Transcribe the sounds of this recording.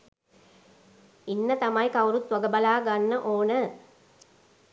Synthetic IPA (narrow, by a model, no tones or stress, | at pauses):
inːət̪ɐmɐjkɐwɾut̪ʋɐɡəbɐlaːɡanːəʔoːnə